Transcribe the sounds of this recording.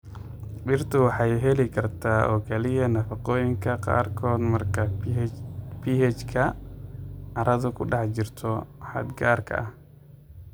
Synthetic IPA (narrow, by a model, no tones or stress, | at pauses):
bɪrt̪ʰʊwɑħɑjɦɛlɪkʰɐrt̪ʰaːʔɔ̰ːkʰɛlɪjɐnɐfɑqɔːjɪŋkʰɐqɑ̰ːrkʰɔːd̪mɐrkʰɐ | pʰihɛt͡ʃkʰɐ | ɐɾʔɐðʊkʰʊɖɑħt͡ʃɪrt̪ʰɔħɑ̰d̪ɡaːrkʰɐ̰ʔɐh